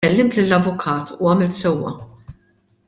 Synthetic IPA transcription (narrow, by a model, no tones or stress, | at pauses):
ɛlːɪmt̪lilːɐvʊkʰɐːt̪ʰuːɐːmɪlt̪sɛwːɐ̰